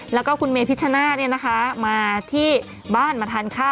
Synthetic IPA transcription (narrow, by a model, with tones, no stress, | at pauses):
lɛː˦˥wkɔː˥˩kʰu˧nmeː˧pʰi˦˥t̪̚t͡ɕʰa˧naː˥˩ni˥˩ɐna˦˥kʰa˦˥maː˧t̪ʰiː˥˩ | baː˥˩nmaː˧t̪ʰaː˧nkʰaː˥˩